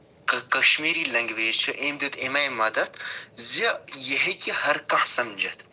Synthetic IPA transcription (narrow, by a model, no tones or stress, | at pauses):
kɐkɐʃmiːɾilɐŋɡʲʋeːt͡ʃʰɐʔeːmd̪it̪ʰemɐjmɐd̪ɐt̪ʰziɐjɐɦekʲihɐɾkɐ̃hsɐmd͡ʒɐt̪ʰ